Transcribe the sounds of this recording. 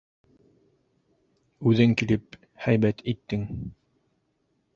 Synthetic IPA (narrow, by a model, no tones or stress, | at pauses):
ʉðɘŋkilɘp̚ | hæjbæt̪ʰit̪ːɘŋ